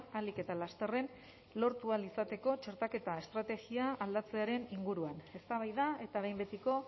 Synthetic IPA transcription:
alike̞t̪alast̪e̞re̞n | lo̞ɾt̪ualisat̪e̞ko̞t͡ʃeɾt̪ake̞t̪ae̞st̪ɾat̪e̞ɣiaːld̪at͡se̞aɾe̞niŋɡuɾuane̞st̪aβ̞ajðae̞t̪aβe̞jmbe̞t̪iko̞

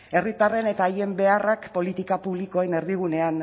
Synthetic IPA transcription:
e̞rit̪are̞ne̞t̪aːje̞mbe̞arakpo̞lit̪ikapuβlikoene̞ɾðiɣ̞une̞an

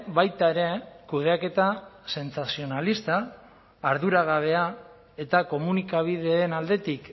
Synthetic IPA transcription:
βajt̪aeɾe̞kuð̞e̞ake̞t̪ase̞nt͡sasio̞nalist̪aː | ɾðuɾaɣ̞aβ̞e̞a | e̞t̪ako̞munikaβ̞iðe̞ːnald̪e̞t̪ik

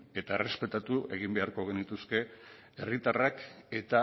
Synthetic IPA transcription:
e̞t̪ae̞re̞spe̞t̪at̪uʔe̞ɣ̞imbe̞aɾko̞ɣ̞e̞nit̪uske̞ | erit̪arake̞t̪a

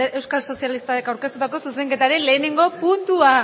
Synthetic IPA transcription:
eʔe̞wskalso̞sijalist̪aɾekawɾkest̪ut̪ako̞suse̞ŋɡe̞t̪aɾe̞le̞ːne̞ŋɡo̞punt̪ua

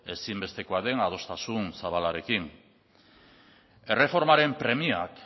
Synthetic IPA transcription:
e̞simbe̞st̪e̞ko̞aðe̞ŋað̞o̞st̪asunsaβ̞alaɾe̞kin | e̞re̞fo̞ɾmaɾe̞mpɾe̞mia̰k

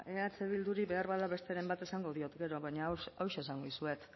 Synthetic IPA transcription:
eat͡se̞β̞ild̪uɾiβe̞aɾβaðaβe̞st̪e̞ɾe̞mbat̪e̞saŋɡo̞ðio̞t̪ɡe̞ɾo̞βaɲaawʃeːsaŋɡoisue̞t̪

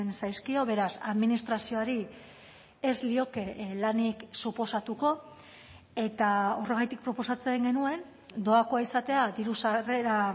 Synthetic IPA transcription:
nsajskio̞βe̞ɾasa̰ðminist̪ɾasio̞aɾi | e̞zlio̞ke̞laniksupo̞sat̪uko̞ | e̞t̪ao̞re̞ɣ̞ajt̪ik̚pɾo̞po̞sat͡se̞ŋɡe̞nue̞n | d̪o̞akoaisat̪e̞ad̪iɾusare̞ɾa

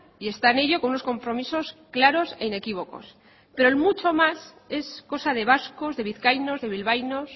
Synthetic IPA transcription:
ie̞st̪aene̞ʎo̞konuno̞sko̞mpɾo̞miso̞sklaɾo̞se̞ine̞kiβ̞o̞ko̞̰s | pe̞ɾoelmut͡ʃo̞mas | e̞sko̞sað̞e̞β̞asko̞zðe̞β̞iθkajno̞zðe̞βilβajno̞s

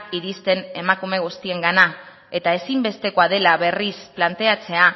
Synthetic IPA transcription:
iɾist̪e̞ne̞makume̞ɣ̞ust̪ie̞ŋɡana | e̞t̪ae̞simbe̞st̪e̞ko̞að̞e̞laβe̞risplant̪e̞at͡se̞a

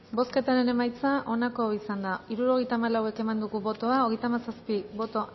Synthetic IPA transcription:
bo̞ske̞t̪aɾe̞ne̞majt͡saʔo̞nako̞isand̪aiɾuɾo̞ɣejt̪amalawe̞ke̞mand̪uɣuβo̞t̪o̞ao̞ɣejt̪amasaspibo̞t̪o̞

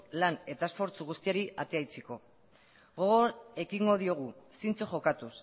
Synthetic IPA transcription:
lane̞t̪aesfo̞ɾt͡suɣust̪iaɾiat̪e̞ajt͡seko̞ | ɣo̞ɣoe̞kiŋɡo̞ð̞io̞ɣ̞usint͡soxo̞kat̪us

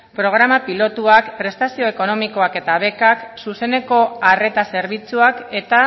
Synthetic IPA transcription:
pɾo̞ɣ̞ɾamapilo̞t̪uakpɾe̞st̪asio̞e̞ko̞no̞miko̞ake̞t̪aβ̞e̞kaksuse̞ne̞ko̞are̞t̪ase̞ɾβ̞it͡suake̞t̪a

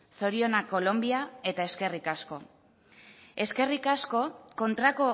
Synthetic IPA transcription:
so̞ɾio̞nako̞lo̞mbiae̞t̪ae̞ske̞rikasko̞ | e̞ske̞rikasko̞ko̞nt̪ɾako̞

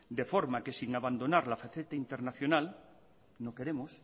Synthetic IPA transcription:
d̪e̞foɾmake̞siŋaβand̪o̞naɾlafaθet̪aint̪e̞ɾnaθjo̞nal | noke̞ɾe̞mos

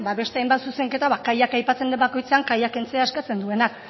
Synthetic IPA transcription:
baβe̞st̪e̞ajmbat̪suse̞ŋke̞t̪aβakajakajpat͡se̞nd̪embako̞jt͡se̞aŋkajake̞nt͡seaskat͡se̞nd̪ue̞nak

